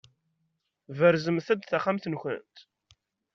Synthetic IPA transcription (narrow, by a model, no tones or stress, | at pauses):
vəɾzəmθæd̪θaχamθənçə̰nt̪